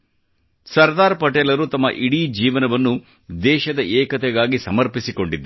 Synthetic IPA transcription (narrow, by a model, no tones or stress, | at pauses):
sɐɾd̪aːɾpɐʈɛːlɐɾut̪ɐmːɐ̰ʔiɽid͡ʒiːʋɐnɐʋɐnːu | d̪ɛːʃɐd̪ɐɛːkɐt̪ɛɡaːɡisɐmɐɾpisiko̞ɳɖid̪ːu